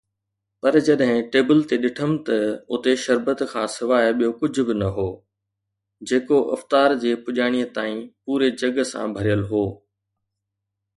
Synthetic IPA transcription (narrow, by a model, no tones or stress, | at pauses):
pɐɾd͡ʑɐɗɦɪ̃ʈeːbəlt̪eɗɪʈʰəmt̪ɐʊt̪eʃɐɾbət̪kʰãːsɪʋaːɪɓijokʊd͡ʑ̆ʱbɪnɐɦoː | d͡ʑeːkoʔɐ̰ft̪aːɾd͡ʑeːpʊʄaːɽ̃ijət̪aːĩpuːɾed͡ʑɐɡəsã̰bʱɐɾijəlɦoː